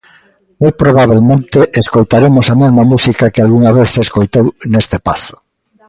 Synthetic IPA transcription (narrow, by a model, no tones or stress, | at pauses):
mojpɾoβ̞aβ̞elmẽnt̪eʔeskojt̪aɾemosamezmamusikakealɣuŋaβeθseskojt̪ownest̪epaθo̥